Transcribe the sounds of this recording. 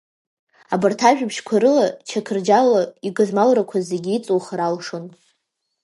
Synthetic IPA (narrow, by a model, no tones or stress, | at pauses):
abartʰaʒᶣapʰʃkʷʰaɾɨlat͡ʃʰakʰɨrd͡ʒalaiɡɨzmalrakʷʰazeɡʲiit͡sʼowχaɾalʂɨn